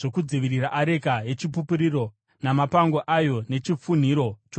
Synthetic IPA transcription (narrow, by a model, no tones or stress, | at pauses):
ʐokud͡ziʋiɾiraʔaɾe̞kaje̞t͡ʃipupuɾiro̞ | namapaŋɡoʔajo̞ne̞t͡ʃip͡fun̤iɾo̞t͡ʃo